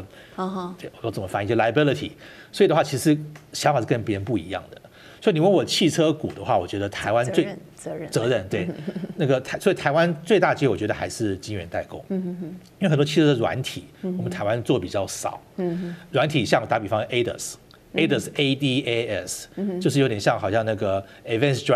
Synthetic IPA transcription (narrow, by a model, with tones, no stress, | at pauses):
ɔ˨˩jt͡sə˨˩mə˦fa˧˥i˧˥˧la˧ə˧bi˥li˧t̪ʰḭ˨˩ | swɔ˧˥˨d̪ə˦xwa˥˨t͡ɕʰi˧˥ʂ̩ʂɻ̩˧˥ɕjɑ˧˥ŋfa˨ʂ̩˥˩kə˥˧npjɛ˥npu˥˩ḭ˧˥jɑ̰˥˩ŋd̪ə˩ | swɔ˧˥i˨ni˨˩wə˥˩nwɔ˨˩t͡ɕʰi˥˩ʈ͡ʂʰɤ˥ku˨˩d̪ə˦xwa˥˩wɔ˨˩t͡ɕɥɛ˧˥d̪ə˧t̪ʰa˧˥ɪwa˦nt͡swe˥˩ | t͡sɤ˧˥ɻə˥˧˩nt̪we˥˩ɪna˥˩ɡə˩t̪ʰa˧˥swɔ˧˥i˨˩t̪ʰa˧ɪwa˦nt͡swe˥˧ɪt̪a˥˩t͡ɕjɛ˥wɔ˨˩t͡ɕɥɛ˧˥d̪ə˧xa̰˧˥ɪʂɻ̩˥˩t͡ɕi˥ŋɥɛ̰˧˥nt̪a˥˩ɪkʊ̰˥ŋi˥we˥˩xə˨˩t̪wɔ˥t͡ɕʰi˥˧˩ə˥d̪ə˨ɻwa̰˧˥nt̪ʰi˨˩˦wɔ˨˩mə˦nt̪ʰa˧˥ɪwa˥˦nt͡swɔ˥˩pi˨˩t͡ɕjɑ˥˩ʊʂɑ̰˨˩˦ʊɻwa˧˥nt̪ʰi˨˩ɕjɑ˥˩ŋ˩t̪a˧˥pi˨˩fɑ˥ŋ˧ʔe˥ɪd̪ə̰˨˩s | e˥ɪd̪ə˧˩se˥d̪i˥e˥ɛ˥˩st͡ɕjo˥˧ʂ̬̩˥˩jo˧ʊt̪jɛ˨˩ɕjɑ˥˩ŋxɑ˨˩ʊɕjɑ˥˧ŋna˥˩ɡə˩ | i˨˩vɛ˥˧ns